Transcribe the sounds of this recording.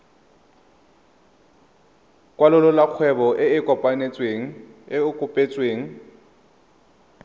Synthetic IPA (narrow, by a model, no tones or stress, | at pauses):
kʼwalʊlɔlak͡xʰwɛbɔʔɪɪkʼɔpʼanet͡sʼweːŋ̩ɪʊkʼʊpʼet͡sʼweːŋ̩